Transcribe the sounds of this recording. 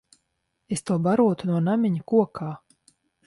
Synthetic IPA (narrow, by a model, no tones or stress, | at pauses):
est̪uɔbaɾuɔt̪unuɔnamʲiɲakuɔkʰaː